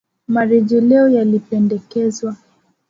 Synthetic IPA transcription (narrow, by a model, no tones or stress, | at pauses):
maɾɛʄɛlɛɔjalipɛndɛkɛzwa